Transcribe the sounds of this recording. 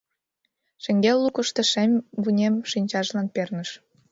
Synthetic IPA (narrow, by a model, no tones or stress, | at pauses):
ʃə̆ŋɡelːukəʃt̪ə̆ʃemʲβunʲemʃinʲt͡ɕɑʒlɑnpernəʃ